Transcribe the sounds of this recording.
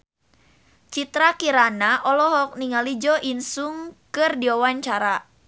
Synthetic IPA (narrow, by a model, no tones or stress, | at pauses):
t͡ʃit̪ɾakiɾanaʔɔlɔɦɔk̚niŋalid͡ʒɔʔinsuŋkɨrdiɔwaɲt͡ʃaɾa